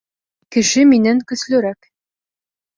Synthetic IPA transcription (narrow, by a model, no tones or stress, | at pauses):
kɘ̆ʃɘminæŋkɵ̆slɵ̆ɾæk